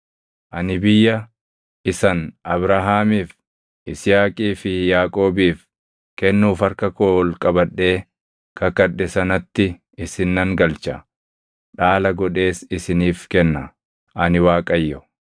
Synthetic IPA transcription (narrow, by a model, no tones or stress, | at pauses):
ʔɐnɪbɪjːɐ | ʔɪsɐnʔɐbɾaɦaːmiːf | ʔɪsɪjaːkʼiːfɪjaːkʼo̞ːbiːf | kɛnːuːfɐɾkɐkoːlkʼɐbɐᶑːe̞ː | kɐkɐᶑɛsɐnɐt̪ːɪ | ɪsɪnːɐŋɡɐlt͡ʃɐ | ᶑaːlɐɡɔᶑe̞ːsɪsɪniːfkɛnːɐ | ʔɐnɪwaːkʼɐjːɔ